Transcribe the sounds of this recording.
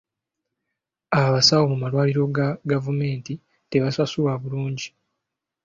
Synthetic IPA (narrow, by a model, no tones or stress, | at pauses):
aβasawo̞mumalwaːliɾo̞ɡaɡavume̞ːnti | te̞βasasuwaβuluːɲɟi